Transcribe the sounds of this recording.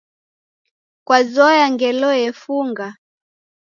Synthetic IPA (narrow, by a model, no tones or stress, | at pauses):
kwazɔjaŋɡɛlɔjɛfuŋɡa